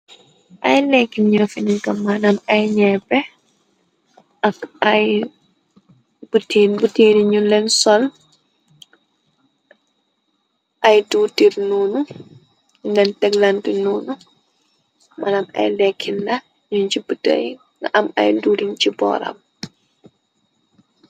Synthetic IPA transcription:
ʔɐjlɛkːinɲufinikɐmanamɐjɲɛbɛ | ʔɐkɐj | b̥utinbutiːniɲunlɛnsɔl | ʔɐjduːtiɾnunu | ndɛntɛɡlantinuːnu | manamɐ̰jlɛkʰːindɐ | ɲuɲt͡ʃibətə̰j | ŋaʔɐmɐ̰jduːdint͡ʃibɔ̰ːɾɐ̰m

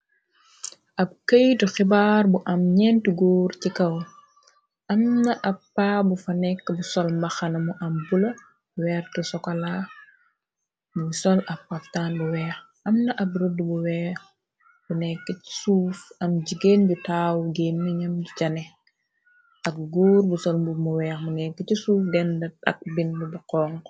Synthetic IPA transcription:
ʔɐb̚kəjtuxibaːrbuʔɐmɲɛntuɡɔːrcikɐw | ʔɐmnɐʔɐppːabufɐnɛkːbusɔlmbɐxɐnɐmuʔɐmbulɐ | wɛːrtusɔkɐla | musɔlɐppːɐftaːnbuwɛːx | ɐmnɐʔɐb̚ɾudəbuwɛːx | bunɛkːəci̥suːfɐmɟiɡenɟutaːwɡenːiɲɐmɟucɐnɛ | ʔɐk̚ɡuːɾbusɔlmbumuwɛːxmunɛkːəcisuːfdɛndɐt̚ɐ̰k̚bindubuqɔːŋ

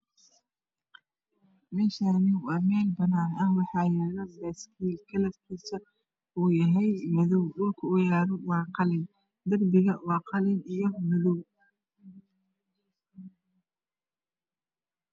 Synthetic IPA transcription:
mɛːʃanɪwɑːmɛːlbɐnaːnɐhwɑħɑːjɛːɾɐbɐskʰiːlkʰɐlɐfkʰiːsɐ | uːjɐɦɛjmɐðɔwɗʊlkʰɐwʊjaːɾɔwɑːqɑlɪn | d̪ɐrbɪɣɐwɑːqɑlɪnijɞmɐðɔw

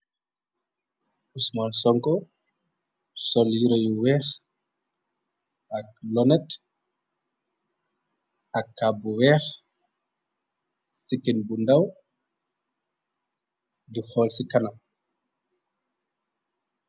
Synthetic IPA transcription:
ʔusmalsɔŋkɔ | sɔljiɾɔjuwɛːx | ak̚lɔnɛt | ʔakːabuwɛːx | sikːinbundaw | dixɔːlsikana

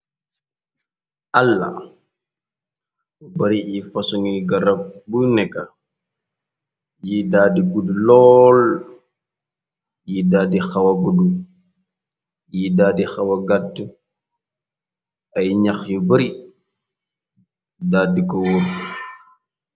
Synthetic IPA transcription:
ʔalːa̰ | ubɐɾiʔifɐsuŋiɡɐɾɐb̚bunɛkːa | jidaːdiɡudulɔːl | jidaːdixɐwɐɡudu | jidaːdixɐwɐɡatːu | ɐjɲaxjubɐɾi | daːdikɔwuɾ

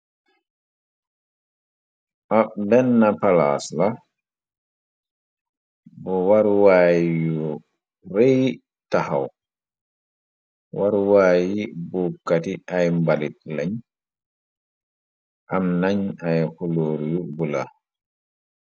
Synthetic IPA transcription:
ʔabɛnːapala̰sla | bɔwaɾwaːjjɔ | ɾej | taha̰w | waɾwaːjibɔkːatiʔajmbalit̚laɲ | ʔamnaɲajholoːɾijubula̰

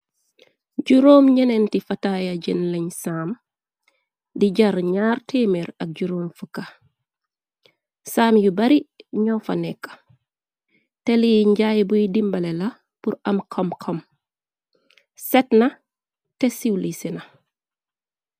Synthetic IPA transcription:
ɟuɾoːmɲɐnɛntifɐtajɐɟinlɛɲsaːm | diɟɐɾɲaːrtʰeːmeɾɐk̚ɟuɾoːmfəkːɐ | saːmjubɐɾiɲɔːfɐ̰nɛkːɐ̥ | tɛliɲɟajbujidimbɐlɛlɐ | puɾɐmkʰɐmkʰɔm | sɛtnɐ | tɛsiwlisinɐ

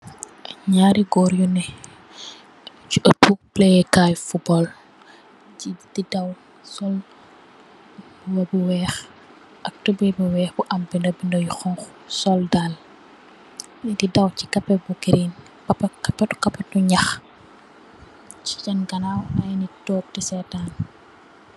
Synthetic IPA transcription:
ɲaːɾiɡɔːɾjunɛ | t͡ʃuʔɐtːuk̚plɛjɛkajfubɔl | citidaw | sɔl | bwɐbuwɛːx | ʔɐk̚tubɛbuwɛːxbuʔɐmbindɔbindɔjxɔŋxu̥sɔldal | ɛdidɐwci̥kɐpːɛbukiɾin | kɐpɐkɐpːɐtkɐpːɐtuɲɐx | ci̥t͡ʃɐnɡɐnawɐjnitɔːp̚tisɛtaːn

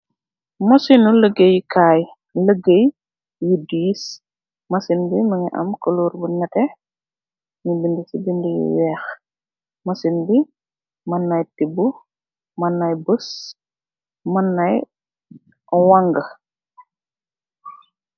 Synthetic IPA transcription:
mɐsinuləɡejikʰaːj | ləɡəj | jidis | mɐsinbimɐŋiʔɐ̰mkəluːɾbunɛkɛ | ɲibindisibindijḭwɛːx | mɐsinbi | mɐnːɐjtibu | mɐnːɐjbəs | mɐnːɐj | waŋɡɐ

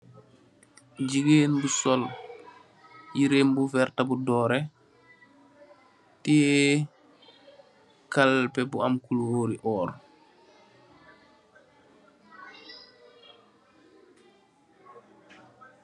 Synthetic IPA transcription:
ɟiɡeːnbusɔl | jiɾeːmbufɛɾtabudɔːɾɛ | ti | kalpɛbuamkulwoːɾiʔɔːɾ

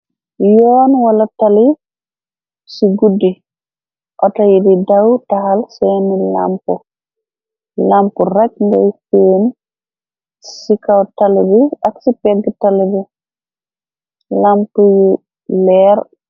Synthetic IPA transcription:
jɔːnwalatali | siɡudːi | ʔɔtajididawtaɦalsɛnila̰mpɔ | lampɔɾak̚ndɛ̰jfeːni | sikawtalibiaksipɛɡːɛtalibi | lampuju | lɛɾ

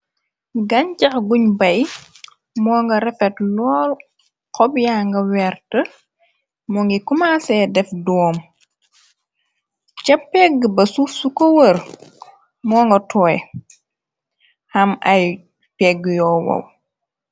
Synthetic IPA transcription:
ɡɐɲcɐxɡuɲbɐj | mɔːŋɡɐɾɛfɛtlɔːl | kɔbjaːŋɡɐwɛrtə | mɔŋɡikumaːsɛdɛfdɔːm | cɐpːɛɡːəbɐsufsukɔwər | mɔːŋɡɐtʰɔːj | hɐmɐj | pɛɡːjɔːwɐ̰w

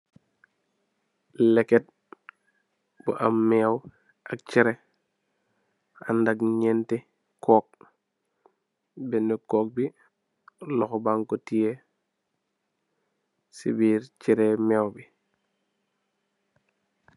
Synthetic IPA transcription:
lɛkɛt̚ | bṵʔamːɛw | ʔak̚t͡ʃiɾe | andaɡɲɛnte | kʰɔːk̚ | bɛndɛkɔːk̚bi | lɔxɔbaŋkotije | sibiːɾt͡ʃiɾemɛːwbi

